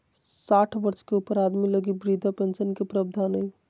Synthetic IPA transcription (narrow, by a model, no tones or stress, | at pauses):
saːʈʰbəɾt͡ʃkeupəɾad̪miləɡibɾid̪ʱapẽnsənkepɾəb̚d̪ʱanɦəj